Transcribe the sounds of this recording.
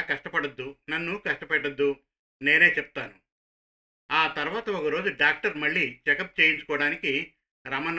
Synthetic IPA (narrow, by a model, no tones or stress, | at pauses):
kɐʂʈɐpɐɽɐd̪ːunɐnːukɐʂʈɐpɛʈːɐd̪ːu | ne̞ːne̞ːt͡ʃɛpu̥t̪aːnu | aːt̪ɐɾʋaːt̪ɐɔkɐɾo̞ːd͡ʒuɖaːk̚ʈɐɾmɐɭːiːt͡ʃɛkɐp̚t͡ʃe̞ːjiɲt͡ʃu̥kɔːɐɽaːniki | ɾɐmɐn